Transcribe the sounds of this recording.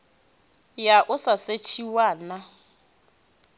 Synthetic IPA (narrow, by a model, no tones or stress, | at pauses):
jaʔʊsaset͡ʃʰiwaːna